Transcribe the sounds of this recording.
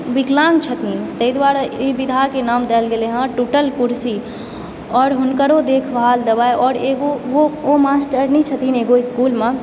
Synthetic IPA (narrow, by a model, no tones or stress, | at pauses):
bɪklãːŋɡt͡ʃʰət̪int̪əid̪waːɾabid̪ʱaːɾkenaːmd̪ɛlɡeleɦãʈuːʈəlkʊɾsi | ɔːɾɦʊnkəɾod̪eːkʰbʱaːld̪əbaːeɔːɾeːɡoɡoomaːsʈəɾnit͡ʃʰət̪ineːɡoɪskuːlmẽ